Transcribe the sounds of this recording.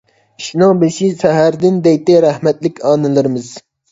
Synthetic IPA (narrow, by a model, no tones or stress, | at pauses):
ʃnɑbeʃisɛɦæɾd̪ɪnd̪ɛjt̪ɪɾæhmɛt̪lɪkʲʰɑːnɨlˠɨɾɨmɨz